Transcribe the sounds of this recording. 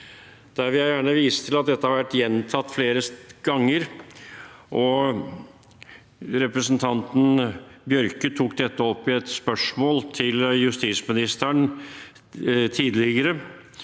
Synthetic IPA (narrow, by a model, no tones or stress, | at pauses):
d̪̥æɾʋɪljæjæːɳəʋiːsə̥t̪ʰɪlɑt̪̚d̪ɛt̪ːəhɑɾʋæʈːjɛnt̪ʰɑt̪ːfleːɾəɡ̥ɑŋːəɾ | ʔɔ | ɾɛpɾəsənt̪ʰɑnt̪n̩bjœɾkət̪ʰuːkd̪ɛt̪ːəɔpːɪɛt̪spœʂmoːlt̪ʰɪljʉst̪iːt̪smɪnɪst̪əɳ | t̪ʰiːd̪lɪɡəɾə